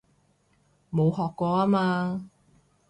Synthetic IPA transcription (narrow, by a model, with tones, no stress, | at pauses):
mo˨˧whɔː˨kkːɔː˧aː˥maː˧